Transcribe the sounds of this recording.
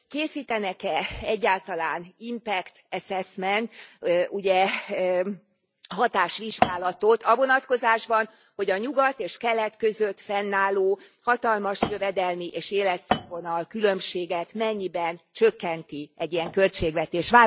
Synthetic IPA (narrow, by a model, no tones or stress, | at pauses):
keːsiːt̪ɛnɛkɛɛɟːaːlt̪ɒlaːnimpɛkt̪ɛsɛsmɛnuɟɛ | ɦɒt̪aːʃʋiʒɡaːlɒt̪ot̪ʰɒvo̞nɒt̪ko̞zaːʒbɒn | ho̞ɟɒɲuɡɒt̪eːʃkɛlɛt̪kø̞zøt̪fɛnːaːloːhɒt̪ɒlmɒʃjø̞vɛd̪ɛlmiʔeːʃeːlɛt̪sɛvonɒlkylø̞mʃeːɡɛt̪mɛɲːibɛnt͡ʃø̞kːɛnt̪iɛɟːiɛŋkø̞lt͡ʃeːɡʋɛt̪eːʃʋaː